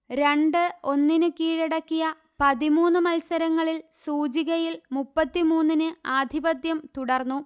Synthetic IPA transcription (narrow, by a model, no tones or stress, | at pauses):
ɾe̞ɳɖɨo̞nːinɨkiːɻeɽɐkːijɐ | pɐðimuːnːɨmɐlsɐɾɐŋːɐɭilsuːd͡ʑiɣɐjilmupːɐt̪ːimuːnːinɨaːd̪ʱibɐd̪jɐmt̪uɽɐrnːu